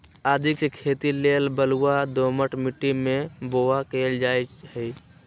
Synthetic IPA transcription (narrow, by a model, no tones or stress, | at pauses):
aːd̪ʱikskʰet̪ilelbəluad̪oməʈmiʈːimebowakeld͡ʒajt͡ʃhəj